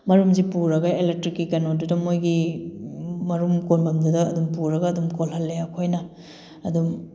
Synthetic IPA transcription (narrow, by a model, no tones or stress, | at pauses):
mɐɾumzipuɾɐɡɐelek̚tɾikːikɐnodudɐmojɡi | mɐɾumkonbɐmdudɐɐdumpuɾɐɡɐːdumkolɦɐlːejakʰojnɐ | ɐdum